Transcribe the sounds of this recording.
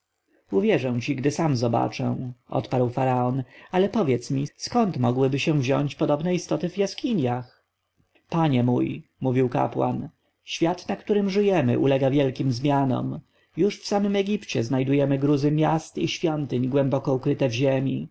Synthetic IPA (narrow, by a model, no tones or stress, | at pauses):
uvʲjɛʐɛw̃t͡ɕiɡd̪ɘsamzɔba̰t͡ʂɛ̰̃ɔ̰t̪paɾwfaɾaɔnalɛpɔvʲjɛt̪smʲiskɔnt̪mɔɡwɘbɘɕɛ̃vʑɔ̰ɲt͡ɕpɔd̪ɔbnɛist̪ɔt̪ɘvjaskʲiɲjax | paɲɛmujmuvʲiwka̰pwa̰n | ɕfʲjat̪nakt̪uɾɘmʐɘjɛmɘ̰ʔṵlɛɡavʲjɛlkʲimzmʲjanɔ̰m | juʂfsamɘmɛɡʲipt͡ɕɛznajd̪ujɛmɘɡɾuzɘmʲjast̪iɕfʲjɔnt̪ɘɲɡwɛmbɔkɔukɾɘt̪ɛvʑemʲḭ